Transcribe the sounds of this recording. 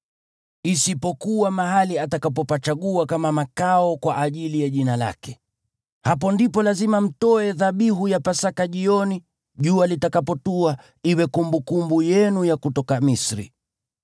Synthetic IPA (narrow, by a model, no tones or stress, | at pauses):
isipɔkuwamaɦaliatakapɔpat͡ʃaɠuakamamakaɔkwaʔːʄilijaʄinala̰kɛ | hap̬ɔndipɔlazimam̩tɔɛðaɓiɦujapasakaʄiɔni | ʄualitakapɔtua | iwɛkumbukumbujɛnujakutɔkamisɾḭ